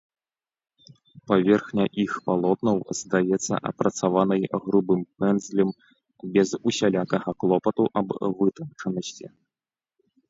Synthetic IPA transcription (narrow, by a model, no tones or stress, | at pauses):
pavʲɛrxnʲɐʔixpalˠɔt̪nɐwzd̪ajɛt̪sːɐ̰ʔɐ̰pɾɐt̪savanɐjɣɾubɨmpɛnzlʲim | bʲɛzusʲalʲakɐɣɐklˠɔpɐt̪uʔɐbvɨt̪ɐnt͡ʂɐnɐsʲt͡sʲḭ